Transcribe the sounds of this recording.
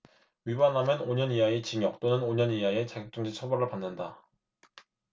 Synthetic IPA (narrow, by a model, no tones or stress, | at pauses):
ɥibanɦamjʌnoɲʌniɦaet͡ɕiŋjʌk̚t͈onɯnoɲʌniɦaet͡ɕaɡɯk̚t͡ɕ͈uŋd͡ʑit͡ɕʰʌbʌɾɯɭpanːɯnda